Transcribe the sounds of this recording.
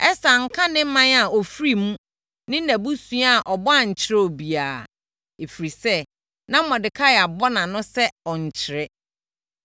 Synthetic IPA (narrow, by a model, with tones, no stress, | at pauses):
ɛ˦sa˨ŋ̩˦kʰã˦nɪ̃˦mã˦na˨ɔ˨fɾi˦mũ˦ | nɪ̃˦næ̃˨bu˦sũ˦a˦a˨ʔɔ˨bɔ˦a˨ɲ̩˨t͡ɕʰɪ˦ɾɛ˦ɔ˨bi˨aː˨ | e˨fi˨ɾi˨sɛ˦ | nã˦m̩˦mɔ̃˨dɪ˨kʰa˦˨a˨bɔ˦nã˨nʊ̃˦sɛ˦ɔ˨ɲ̩˨t͡ɕʰɪ˨ɾɛ˦